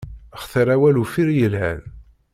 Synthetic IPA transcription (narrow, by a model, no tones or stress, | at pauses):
əχθəɾæwælufiɾjəlɦhæ̰n